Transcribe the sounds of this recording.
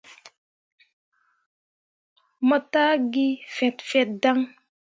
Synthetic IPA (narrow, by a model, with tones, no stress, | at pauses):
mə˨ta˦ɡi˦fɛ˨tfɛ˨t̚da˦ŋ